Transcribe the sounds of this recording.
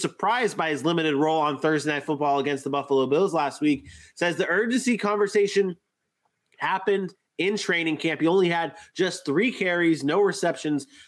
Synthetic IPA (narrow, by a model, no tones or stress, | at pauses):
sə˞pʰɹ̥aɪzbaɪɨzlɪ̃mɨɾɨd̚ɹoʊlˠə̃nθɜ˞zdeɪnaɪtfʊt̚b̥ɔlˠəɡɛ̃nst̪̚ðəbʌfəlˠoʊbɪlˠzlæst̚wik̚sɛzðiɜ˞d͡ʒɨ̃nsikʰɑ̃ɱvə˞seɪʃɨ̃n | hæpɨ̃nd | ɪ̃ntʰɹ̥ẽɪ̃ñɪ̃ŋkʰæ̃mpiõʊ̃nliɨd̚d͡ʒʌsθɹikʰɛɹiznoʊɹɨsɛpʃɨ̃nz̥